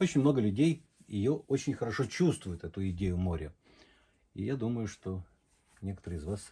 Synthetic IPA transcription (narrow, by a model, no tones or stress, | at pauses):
ot͡ɕɪnʲmno̞ɡəlʲʉdʲej | jɪ̰joot͡ɕɪnʲxəɾɐʂot͡ɕust̪vʊjʊt̪ɛt̪ʊɪdʲejʊmo̞ɾʲɪ | ɪ̰jad̪uməjʊʂt̪o | nʲe̞kə̥t̪əɾɨɪzvas